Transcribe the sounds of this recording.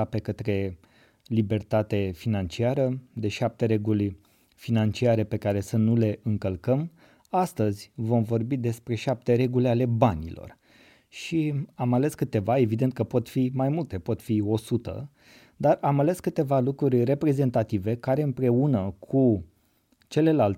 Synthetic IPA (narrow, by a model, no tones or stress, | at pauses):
pe̞kət̪ɾe̞ | libe̞rt̪at̪e̞finant͡ʃiaɾəd̪e̞ʃap̚t̪e̞ɾeɡulʲ | finant͡ʃiaɾe̞pe̞kaɾe̞sənule̞ʔɨŋkəlkəm | ast̪əzʲvo̞mvo̞rbid̪e̞spɾe̞ʃap̚t̪e̞ɾe̞ɡulʲeale̞banʲḭlo̞̰r | ʃiamale̞skɨt̪e̞vae̞vid̪e̞nt̪̚kəpo̞t̪fimajmult̪e̞po̞t̪fio̞sut̪ə̰ | d̪aramale̞skɨt̪e̞valukɾurʲre̞pɾe̞ze̞nt̪at̪ive̞kaɾe̞ɨmpɾe̞unəkʰu | t͡ʃe̞le̞lalt